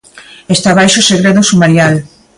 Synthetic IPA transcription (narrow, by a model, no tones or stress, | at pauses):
est̪aβ̞ajʃoseɣɾeðʊsumaɾjal